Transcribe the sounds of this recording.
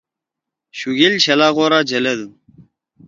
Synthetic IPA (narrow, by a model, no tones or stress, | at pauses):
ɕuɡilɕɐlaːɣoːɾad͡ʑɐlɐd̪u